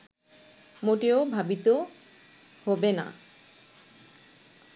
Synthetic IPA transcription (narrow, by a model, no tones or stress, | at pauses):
moʈeobʱabit̪o | hobena̰